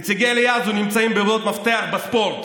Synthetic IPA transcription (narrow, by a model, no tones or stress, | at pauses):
t͡siɡejlejazunimt͡saimbevd̪ot̪maft̪eaχbespo̞ɾt̪